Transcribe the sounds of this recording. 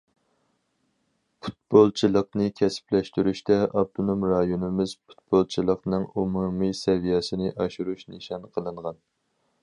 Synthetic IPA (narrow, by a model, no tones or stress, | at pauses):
pʰu̥t̪̚bolˠt͡ʃʰilˠəqnɨkʲʰɛsɪ̥plɛʃt̪yɾyʃt̪ɛʔɑb̚t̪ʰonomɾɑjonɪmɪz̥pʰu̥t̪̚bolˠt͡ʃʰilˠəqnɨŋumumisɛvijɛsɪnɪʔɑʃuɾuʃnɨʃɑnqʰəlˠɨɴʁɑn